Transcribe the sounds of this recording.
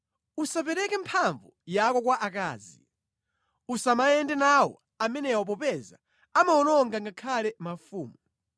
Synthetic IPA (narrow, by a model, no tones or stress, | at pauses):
usapɛɾɛkɛmpʰaɱvujakɔk̬waʔakaːzi | usamaɛndɛnawɔ̰ | amɛnɛwɔp̬ɔpɛza̰ | amaɔnɔŋɡaŋɡakʰalɛmafuːmɔ